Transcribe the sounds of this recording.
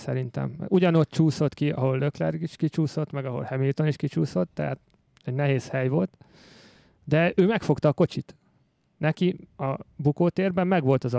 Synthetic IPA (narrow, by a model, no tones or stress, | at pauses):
sɛɾint̪ɛ̰m̰uɟɒno̞t̪t͡ʃuːso̞t̪kiɒɦo̞lːøklɛ̰ɾɡiʃkit͡ʃuːso̞t̪mɛɡɒɦo̞̰lhɛmilt̪o̞niʃkit͡ʃuːso̞t̪ːɛɦa̰t̪ | ɛɟnɛɦeːshɛjvo̞lt̪ | d̪ɛøːmɛkfo̞kt̪ɒːko̞t͡ʃit̪ | nɛkiɒbukoːt̪eːrbɛmːɛɡʋo̞lt̪ɒzɒ